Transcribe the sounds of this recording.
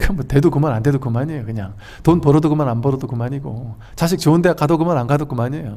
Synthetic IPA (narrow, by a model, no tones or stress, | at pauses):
kɯmʌte̞dokumanande̞dok͈ɯmaɲejokɯɲaŋ | tonpʌɾʌdoɡomananbʌɾʌdokɯmaɲiɡo | t͡ɕaɕ̬ʰik̚t͡ɕoɯndeak͈adoɡomananɡadok͈umaɲejo